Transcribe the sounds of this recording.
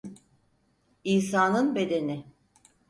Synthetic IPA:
iːsaːnɯnbe̞d̪e̞nɪ

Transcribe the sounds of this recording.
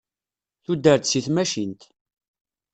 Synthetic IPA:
θud̪əɾt̪siθmæʃint̪

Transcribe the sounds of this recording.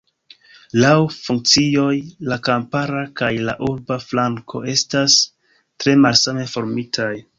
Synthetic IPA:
lawfuŋk̚t͡sio̞jlakampaɾakajla̰ʔuɾbaflaŋkʰo̞̰e̞stas | tɾe̞malsame̞fo̞ɾmitʰaj

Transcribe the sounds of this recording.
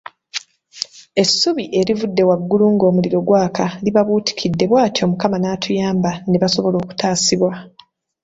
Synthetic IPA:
e̞sːuβiʔe̞ɾivudːe̞waɡːuluːŋɡo̞ːmuliɾo̞ɡwaːkʰaliβaβuːti̥kʰidːe̞βwaːtʰo̞ːmukamanaːtʰujaːmbaneβaso̞βo̞lo̞ːku̥taːsiβwa

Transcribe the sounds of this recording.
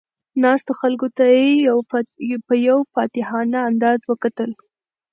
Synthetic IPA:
nɑst̪oxalkot̪aje | pəjawfɑt̪ɪhɑnaːnd̪ɑzwəkat̪əl

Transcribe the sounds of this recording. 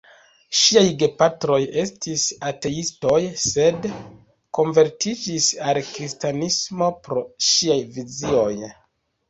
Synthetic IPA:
ʃiajɡe̞patɾo̞je̞stisate̞isto̞jse̞d | ko̞nve̞ɾtid͡ʒisalkɾistanismo̞pɾo̞ʃiajvizio̞j

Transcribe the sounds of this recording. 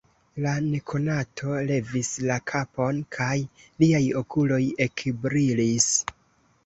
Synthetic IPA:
lane̞kʰo̞natʰo̞le̞vislakʰapo̞nkʰajliajo̞kulo̞je̞kbɾilis

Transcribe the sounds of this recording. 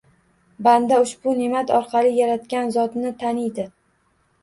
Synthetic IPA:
band̪aʊʃbʊnemat̪ʰɒɾqʰɑlˠɪjaɾat̪kʲanzɒt̪nɪt̪ʰanɪjd̪ɪ

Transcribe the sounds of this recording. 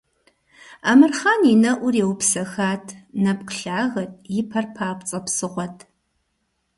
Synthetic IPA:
aːmɨrχaːninɐʔʷʊrewpsɐxaːtʰnɐp̚qɬaːɣɐtʼʰjɪpʰɐrpʰaːpʷʼt͡sʼɐpsɨʁʷɔtʰ

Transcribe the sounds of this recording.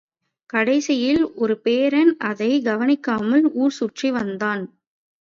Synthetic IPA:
kɐɽɐɪsɪjɪlɔɾɯpeːɾɐnɐðɐɪɡɐʋɐnɪkːaːmɐluːrsuʈriʋɐnd̪aːn

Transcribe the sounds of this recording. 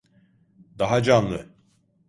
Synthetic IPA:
d̪aɦad͡ʒanlˠɯ

